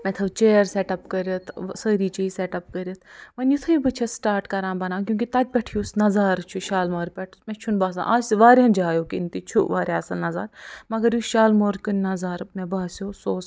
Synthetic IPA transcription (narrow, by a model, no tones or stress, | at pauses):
mɐt̪ʰlɐbt͡ʃeːɾseʈɐpkɐɾɐt̪ʰsəːɾiːt͡ʃiːiseʈɐp̚kəɾʲɐt̪ʰmɐnjut̪ʰɐibɨt͡ʃʰɐsʈaːɾʈkɐɾãːbɐnãːkjũːŋkit̪ɐt̪̚ʲpʲɛʈʰijosnɐzaːɾt͡ʃʰuʃaːlmoːɾpʲɛʈʰmɛ̃t͡ʃʰunbaːs̬ã̰ːʔaːsʋaːɾɐ̃nd͡ʒaːjoːkint̪it͡ʃʰuʋaːɾʲaːsɐlnɐza̰ːɾmɐɡɐɾjuʃaːlmoːɾkɨnnɐzaːɾmɛ̃baːsjoːsoːs